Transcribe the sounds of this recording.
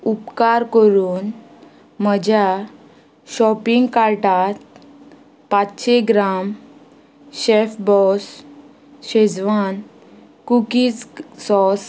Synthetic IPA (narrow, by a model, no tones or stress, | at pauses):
upkaɾkəɾuːn | məd͡ʑʱa | ɕɔpiŋɡkaɾʈat̪ | pat͡sɕeɡɾam | ɕefbɔs | ɕed͡zʋan | kukit͡ssɔs